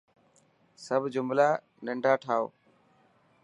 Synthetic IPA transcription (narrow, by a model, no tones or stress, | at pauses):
səbʱd͡ʒʊmlaː | nəɳɖʱaːʈʰaːo̰ː